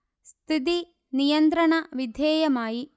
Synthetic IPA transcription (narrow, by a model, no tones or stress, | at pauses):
st̪ʰit̪̬i | nijɐnt̪ɾɐɳɐʋid̪ʱeːjɐmaːji